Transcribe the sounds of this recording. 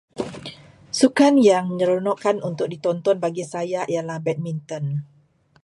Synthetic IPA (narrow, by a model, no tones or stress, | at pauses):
sukanjaŋməɲəɾonɔʔkanunt̪ʊk̚dit̪ɔnt̪ɔnbaɡisajaʔijalahbɛt̪̚mint̪ɔn